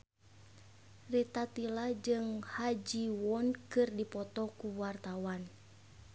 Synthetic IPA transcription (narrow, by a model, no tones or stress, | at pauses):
rit̪at̪ilad͡ʒɨŋhad͡ʒiwɔnkɨrdipɔt̪ɔkuwart̪awan